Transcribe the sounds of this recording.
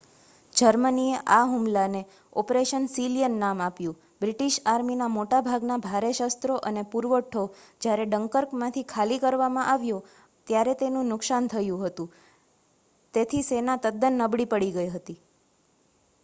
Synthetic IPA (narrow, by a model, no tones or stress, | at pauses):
d͡ʒəɾmənieʔaɦumlane | ɔpɾeʃənsilijənːamapjũ | bɾiʈiʃaɾminamoʈabʱaɡnabʱaɾeʃast̪ɾoʔənepuɾʋəʈʰod͡ʒjaɾeɖəŋkəɾkmãt̪ʰikʰalikəɾʋamãʔaʋjo | t̪jaɾet̪enũnʊksant̪ʰəjũɦət̪ũ | t̪et̪ʰisenat̪əd̪ːənːəbɽipəɽiɡəjɦət̪i